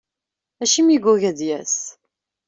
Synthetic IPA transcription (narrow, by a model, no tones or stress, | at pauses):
æʃimiɡuʝæðjæs